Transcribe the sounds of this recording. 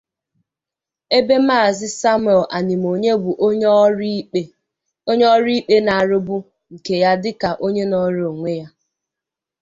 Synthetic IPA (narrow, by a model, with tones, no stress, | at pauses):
e˦be˦ma˦˨zɪ˦sa˦m˦˨ɛ˨lʔa˨ni˨mo˨ɲe˦bu˨ʔ | e˦ | ɲ˦ɔ˦ɾi˦i˦k͡pe˦na˨a˨ɾʊ˦bʊ˦ | ŋ̩˨ke˨ja˦dɪ˦ka˨ʔo˦ɲe˦nɔ˦ɾo˨ŋʷe˦ja˦